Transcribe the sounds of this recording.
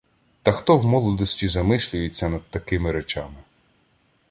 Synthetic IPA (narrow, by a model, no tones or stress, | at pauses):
t̪ɐxt̪ɔwmɔlˠɔd̪ɔsʲtʲizɐmɪsʲlʲʊjet͡sʲːɐnɐd̪̚t̪ɐkɪmɪɾet͡ʃamɪ